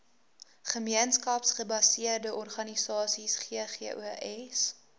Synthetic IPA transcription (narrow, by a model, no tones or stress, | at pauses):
χəmiənskɐpsχəbɐsiərdəʔɔrχɐnisɑːsisχiəχḭʔṵʔɛs